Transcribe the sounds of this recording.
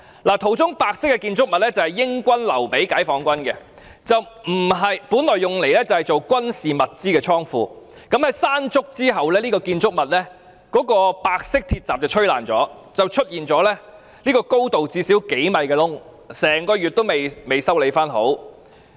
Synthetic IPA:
laː˨˩t̪ʰo˨˩wt͡sʊ˥ŋpaː˧k̚sɪ˥kːɛ˧kiː˧nt͡sʊ˥k̚mɐ˨t̚lɛː˥t͡sɐ˨hɐ˨jːɪ˥ŋkʷɐ˥nlɐ̰˨˩wpe˨˥jkaː˨˥jfɔː˨˥ŋkʷɐ˥nkɛ˧ | t͡sɐ˨wm̩˨˩ɦɐ˨jpuː˨˥nlɔː˨jːʊ˨ŋle˨˩jlɛː˥t͡sɐ˨whɐ˨jt͡so˨wkʷɐ˥nsiː˨mɐ˨t̚t͡siː˥kɛː˧t͡ʃʰɔː˥ŋfuː˧kɐ˨˥mhɐ˨˥jsaː˥nt͡sʊ˥k̚t͡siː˥ɦɐ˨wlɛː˥liː˥kɔː˧kiː˧nt͡sʊ˥k̚mɐ˨t̚lɛː˥ | kɔː˨˥kɔː˧paː˧k̚sɪ˥k̚t̪ʰiː˧t̚t͡saː˨p̚t͡sɐ˨wt͡ʃʰɵ˥ɥla̰ː˨nt͡sɔ̰ː˨˥ | t͡sɐ˨wt͡ʃʰɵ˥t̚jiː˨nt͡sɔː˨˥lɛː˥ | liː˥kɔː˧ko˥wt̪o˨wt͡siː˧si˨˥wke˨˥jmɐ˨jkɛː˧lʊ˥ŋ | sɛː˨˩ŋkɔː˧jyː˨˩t̚t̪o˥wme˨jme˨jsɐ˥wle˨˧jfaː˥nɦo̰˨˥w

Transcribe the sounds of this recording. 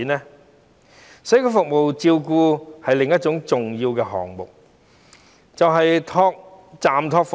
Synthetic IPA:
nɛː˥ | sɐ˨˥kɔː˧fʊ˨k̚mo˨wt͡siː˧wkuː˧hɐ˨jlɪ˨ŋjɐ˥t̚t͡ʃʊ˨˥ŋt͡sʊ˨ŋjiː˧wkɛː˧ɦɔ̰ː˨ŋmʊ̰˨˩k̚ | t͡sɐ˨wɦɐ˨jt̪ʰɔː˧k̚ | t͡saː˨mt̪ʰɔː˧k̚fʊ˨

